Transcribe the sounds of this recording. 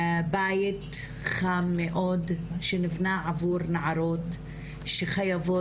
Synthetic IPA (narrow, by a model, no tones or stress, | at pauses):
bajt | χamːeʔodʃenivnaʕavuɾnaʕaɾot | ʃeχajavo